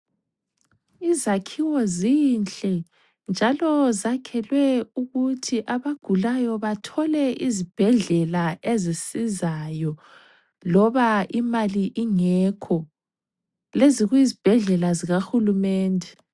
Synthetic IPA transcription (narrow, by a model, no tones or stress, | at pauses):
izakʰiwɔzint͡ɬʼɛ | nd͡ʒʱalɔzakʰɛlwɛuɣutʰiʔaβaɡ̥ʱulajɔβatʰɔlɛʔizib̥ʱɛɮɛlaʔezisizajɔ | lɔβaimaliʔiŋɛkʰɔ | leziɣuizib̥ʱɛɮɛlaziɣaxulumɛːndʱɛ